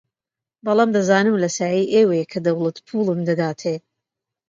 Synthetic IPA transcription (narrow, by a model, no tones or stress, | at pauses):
bɑlˠaːmd̪ɐzaːnɨmlɐsaːjiːʔeːwejekʰɐd̪ɐwlˠɐt̪pʰuːlˠɨmd̪ɐd̪aːt̪ʰeː